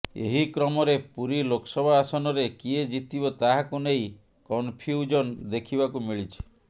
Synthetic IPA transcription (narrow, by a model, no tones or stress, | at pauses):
ḛɦikɾɔmɔɾepuɾilokʰɔsɔbʱaːsɔnɔɾekied͡ʒit̪ibɔt̪aɦakunej | kɔnpʰiud͡ʒɔnd̪ekʰibakumiɭit͡ʃʰi̥